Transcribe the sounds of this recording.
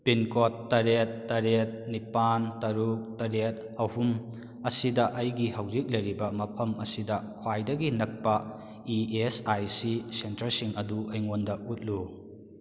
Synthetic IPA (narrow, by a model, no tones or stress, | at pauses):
pinkotːɐɾet̚ːɐɾet̚nipantɐɾuk̚tɐɾet̚ | ɐhum | ɐsidɐʔɐjɡihɐwzik̚lɐjɾibɐmɐpʰɐmɐsidɐkʰwajdɐɡinɐk̚pɐ | iesajsisentɐɾsiŋɐduɐjŋondɐut̚lu